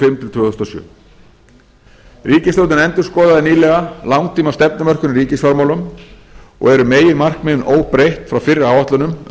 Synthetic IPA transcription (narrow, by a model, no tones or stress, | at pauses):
fɪmt̪ʰɪlt̪ʰvʏːθst̪osjœ̰ː | riːcɪslowt̪ɪnɛnt̪ʏɾskɔːðaðɪɾniːlɛɣalawŋt̪ʰiːmast̪ɛpnɪmœr̥kʏnɾiːcɪsfaɾmaːwlʏm | ɔ̰ɣɛɾʏmeːjɪmar̥kmɪnoːwpɾejht̪fɾawfɪrːɪaːwvaht̪lʏnʏm